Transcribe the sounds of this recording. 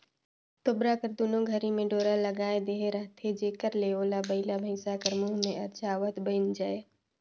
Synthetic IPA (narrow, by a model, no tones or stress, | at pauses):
t̪ʊbɾakəɾd̪oːnõɡʱəɾimẽɖoːɾaləɡaːed̪eːɦeɾəɦt̪ʰed͡ʒeːkəɾleoːlabəɪlabʱəɪsakəɾmuɦmẽɐt͡ʃaːʋət̪bənd͡ʒaːe